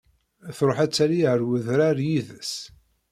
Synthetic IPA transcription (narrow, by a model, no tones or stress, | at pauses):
θɾˤoħæt͡sːæliʕəɾwəðɾaɾjiðəs